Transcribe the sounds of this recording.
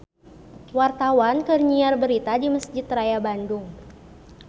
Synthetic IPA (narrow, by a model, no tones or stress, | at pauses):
wart̪awankərɲiarbəɾit̪adiməsd͡ʒɪt̪rajabandʊŋ